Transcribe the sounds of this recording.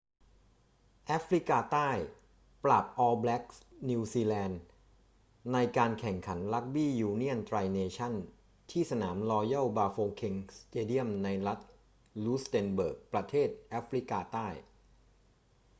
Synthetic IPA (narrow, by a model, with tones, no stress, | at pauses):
ʔaː˦˥fɾi˦˥kaː˧t̪aː˥˩j | pɾa˨˩p̚ʔɔː˧blɛ˦˥k̚ni˧wsiː˧lɛː˧n | a˧jkaː˧nkʰɛ˨˩ŋkʰa˩˦nla˦˥k̚biː˥˩juː˧ni˥˩ənt̪ʰɾaː˧jneː˧t͡ɕʰa˥˩n | t̪ʰiː˥˩sa˧na̰ː˩˦mlɔː˧ja˥˩baː˧foː˧kʰe˧ŋst̪eː˧di˥˩əmna˧jla˦˥t̪̚ | luː˦˥st̪ɛː˧nbɤ̰ː˨˩k̚pɾa˧t̪ʰeː˥˩t̪̚ʔaː˦˥fʰɾi˦˥kaː˧t̪aː˥˩j